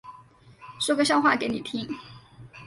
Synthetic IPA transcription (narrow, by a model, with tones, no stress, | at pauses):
ʂwɔ˥ɡə˨˧ɕjɑ˥˧ʊxwa˥˩ke˧˥ɪni˨˩t̪ʰi˧˥ŋ